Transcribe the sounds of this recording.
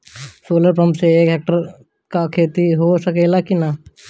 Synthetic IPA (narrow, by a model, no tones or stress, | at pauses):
soːləɾpɾəmseeːkɦɛːk̚ʈəɾ | kakʰeːt̪iɦosəkeːlakina